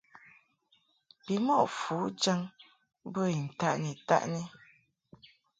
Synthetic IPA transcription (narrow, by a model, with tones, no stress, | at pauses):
bi˨mɔ˦˨ʔfu˨˦d͡ʒa˦ŋ | bə˦i˨n̩˨ta̰˦ʔni˨ta̰˦ʔni˦